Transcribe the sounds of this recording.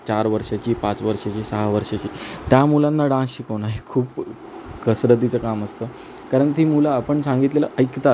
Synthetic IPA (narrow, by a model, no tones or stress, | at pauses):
t͡ɕaɾʋəɾʂat͡ɕiːpãt͡sʋəɾʂat͡ɕiːsəɦaʋəɾʂat͡ɕiːt̪jamulanːaɖãsɕikʰəʋnaɦikʰuːp | kəsɾət̪it͡səkaməst̪əː | kaɾəɳt̪iːmulaːpəɳsãŋɡit̪leləʔəjkt̪a